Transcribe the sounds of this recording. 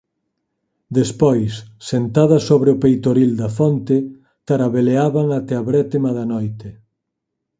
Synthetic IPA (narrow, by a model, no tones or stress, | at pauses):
d̪espojsːent̪aðɐsoβɾeʊpejt̪oɾild̪ɐfont̪ɪ | t̪aɾaβeleaβaŋat̪ɛaβɾɛt̪emaðɐnojt̪ɪ